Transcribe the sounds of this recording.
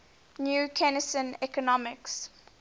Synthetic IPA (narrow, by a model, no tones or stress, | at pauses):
njuːkʰɛnəstə̃nɛkɔnɔmɪks